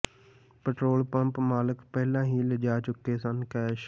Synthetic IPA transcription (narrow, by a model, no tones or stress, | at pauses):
pəʈɾoːlpəmpmaːləkpɛːlãːɦiːləd͡ʒaːt͡ʃʊkːeːsənkɛːʃ